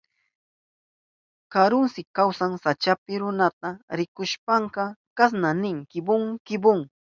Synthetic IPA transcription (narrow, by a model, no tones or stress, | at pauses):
kaɾʊnsɪkawsaŋsat͡ʃapɪɾʊnat̪aɾɪkʊʃpɑɴɢɑkas̬nanɪŋkɪbʊŋkɪbʊŋ